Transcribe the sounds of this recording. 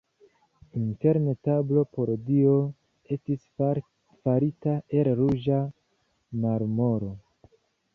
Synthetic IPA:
inte̞ɾnetablo̞po̞ɾdio̞ | e̞stis | faɾitaʔe̞lɾud͡ʒa | maɾmo̞ɾo̞

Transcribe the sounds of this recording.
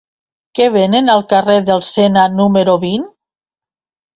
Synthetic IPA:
keβ̞enenalˠkareðelˠsenanumeɾoβin

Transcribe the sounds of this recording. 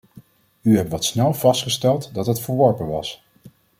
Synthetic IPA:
yɦɛptʋɑtsnɛlˠvɑstχəstɛlˠtdɑtɦətfəɹʋɔɹpənʋɑs

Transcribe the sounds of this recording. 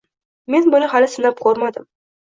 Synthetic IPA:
me̞nbʊnɪhalɪsʊnap̚qʰoɾmad̪ɪm

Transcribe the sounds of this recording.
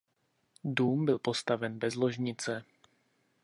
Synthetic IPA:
duːmbɪlpo̞st̪avɛnbɛzlo̞ʒɲɪt͡sɛ

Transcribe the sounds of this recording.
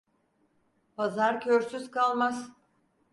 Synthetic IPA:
pazaɾcʰøɾsyzkʰalˠmaz

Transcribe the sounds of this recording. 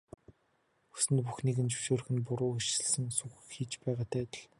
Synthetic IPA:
u̥sɘ̆npuxniɣɘ̆nt͡ɕɵ̥wʃoːɾɵ̆xɘ̆npʊɾʊːuʃɪ̆ɮsɘ̆ŋsuxkxiːt͡ɕpæːʁaːt̪ʰæːt̪ə̆ɮ

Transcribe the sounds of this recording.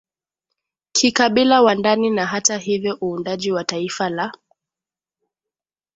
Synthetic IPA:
kʰikaɓilawandaninaɦataɦivjɔʔuːndaʄiwataifala

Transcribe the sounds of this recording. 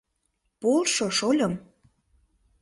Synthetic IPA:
polʃoʃolʲɤ̆m

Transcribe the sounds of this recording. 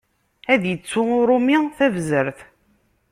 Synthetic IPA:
æðjət͡sːʊʊɾˤʊmiθævzəɾθ

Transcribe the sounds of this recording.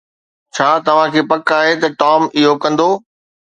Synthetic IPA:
t͡ɕʰaːt̪ɐʋ̤ãkʰeːpɐkaːɦet̪ɐʈaːmɪɦokɐ̃nd̪oː

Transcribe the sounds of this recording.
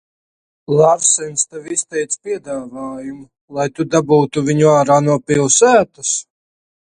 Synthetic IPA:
lˠaɾsɛnst̪avist̪ɛjt̪spʲiɛd̪aːvaːjumu | lˠajt̪ud̪abuːt̪uviɲuaːɾaːnuɔpilˠsæːt̪us

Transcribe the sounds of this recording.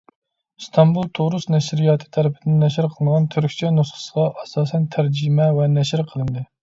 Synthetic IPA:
st̪ʰɑmbulˠt̪ʰoɾusnɛʃɾijɑːt̪ʰɨ̥t̪ʰɛɾɪpʰɪd̪ɪnnːɛʃɪɾqʰəlˠənʁɑnt̪ʰyɾkʲt͡ʃʰɛnusχə̥səʁɑʔɛsɑːsɛnt̪ʰæɾd͡ʒimɛvɛnɛʃɪɾqʰəlˠɨnd̪ɨ

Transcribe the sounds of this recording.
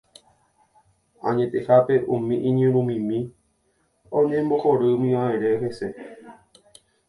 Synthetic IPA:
ã̰ɲẽ̞t̪e̞hape̞ʔũmĩʔĩɲɨ̃ɾũmĩmĩ | õɲẽ̞mbo̞hoɾɨmĩʋaẽɾe̞ɦese̞

